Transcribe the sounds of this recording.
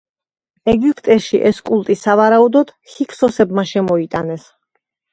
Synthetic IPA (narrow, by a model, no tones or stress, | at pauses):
ɛɡipʼt̪ʼɛʃiʔɛskʼulˠt̪ʼisavaɾaud̪ɔd̪̥hikʰsɔsɛbmaʃɛmɔit̪ʼanɛs